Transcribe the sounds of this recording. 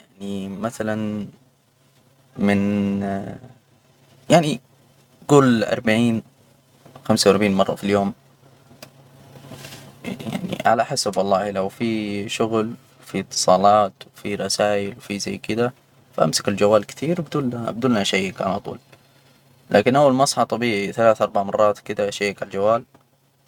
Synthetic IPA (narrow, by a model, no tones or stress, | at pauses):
jaʕnimaθalan | mɪn | jaʕni | ɡ̥uːlʔɑ̰ɾˤbaʕiːn | xamsawʔɾˤbʕiːnmɑrˤːɑ̰filjoːm | ja̰ʕnḭʕa̰laħɪsabwɑlˤːɑːhilawfiʃʊɣl | fit̪ːɨ̥sˤɑːlɑːt̪wfiɾˤɑsaːʔɪlwfizajːkɪd̪a | faʔa̰msḁkɪld͡ʒawːaːlkɪ̥t̪ʰiːɾbɪd̪uːlabd̪uːlːnaʃajːakʕa̰lat̪ˤṵːl | lʔa̰ːkɪnʔawːalmɑsˤħɑt̪ˤɑbiːʕiθalaːθʔɑɾˤbaʕmɑrˤːɑːt̪kɪd̪aʃajːakʕald͡ʒawːaːl